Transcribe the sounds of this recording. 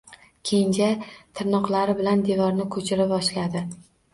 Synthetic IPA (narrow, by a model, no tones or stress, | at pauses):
kʲʰend͡ʒat̪ʰɪɾnɒqlˠaɾɪbɪland̪evɒɾnɪkʰɵt͡ʃʰɪɾɪpɒʃlad̪ɪ